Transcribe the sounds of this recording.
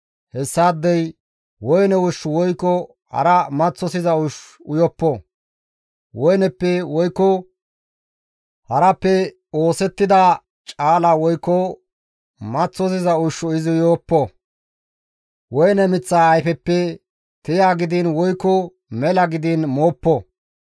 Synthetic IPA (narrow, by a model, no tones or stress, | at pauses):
hɛsːaːd̪ːɛj | wɔjnɛwʊʃːʊwɔjkːɔ | hɐ̰ɾɐmɐt͡sːɔsɪzɐʊʃ | ʊjɔpːɔ | wɔjnɛpːɛwɔjkːɔ | hɐɾɐpːɛ | o̞ːsɛt̪ːɪd̪a | t͡ʃʼaːlawɔjkːɔ | mɐt͡sːɔs̬ɪzɐʊʃːɔɪzɪʊjoːpːɔ | wɔjnɛmɪt͡sːaːɐjfɛpːɛ | t̪ɪjaːɡɪd̪ɪnwɔjkːɔ | mɛlɐɡɪd̪ɪnmoːpːɔ